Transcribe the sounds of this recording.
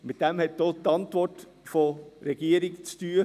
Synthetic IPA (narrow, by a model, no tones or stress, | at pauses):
mɪtd̥ɛmhɛt̚d̥oːtɑntvɔrt | foɾɛɡ̥iəɾɪkt͡styːə